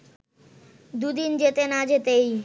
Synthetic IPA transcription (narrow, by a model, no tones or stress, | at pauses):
d̪ud̪ind͡ʑet̪enad͡ʑet̪ej